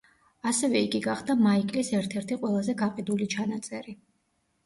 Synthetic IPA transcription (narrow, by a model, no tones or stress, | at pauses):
asɛvɛiɡiɡaχd̪amaikʼlisɛɾt̪ʰɛɾt̪ʰiqʼwɛlˠazɛɡaqʼid̪ulit͡ʃʰanat̪sʼɛɾi